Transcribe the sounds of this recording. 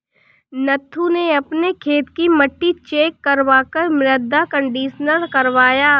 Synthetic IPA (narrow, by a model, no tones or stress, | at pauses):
nɐt̪ʰːuneɐpnekʰeːt̪kimɐʈːit͡ʃeːkːɐɾʋaːkəɾmɾəd̪ʱːakə̃ɳɖiːʃnəlkɐɾʋaːjaː